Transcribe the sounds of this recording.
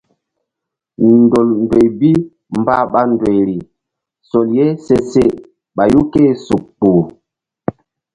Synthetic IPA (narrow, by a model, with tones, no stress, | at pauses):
n˨do˨ln˨dwe˨jbi˦ | mba˦ɓa˦ndwe˨jɾi˨ | so˨lje˦se˦se˦ | ɓa˨ju˦ke˦˨su˨k̚k͡pu˨